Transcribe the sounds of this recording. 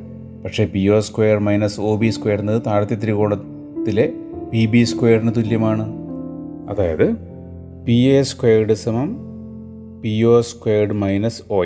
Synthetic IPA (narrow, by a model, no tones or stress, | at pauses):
pɐkʂe̞ːpio̞ːskwejɐrmɐjnɐso̞ːbiːskwejːɐrnːɐðɨt̪aːɽɐt̪ːjɐt̪iɾiɣo̞ːɭɐ | t̪ːile̞pibiskwejɐrinɐt̪ulːjɐmaːɳɨ | ɐðaːjɐðɨ | pieːskweːrɖɨsɐmɐm | pioːskwejːrɖɨmɐjnɐso̞ː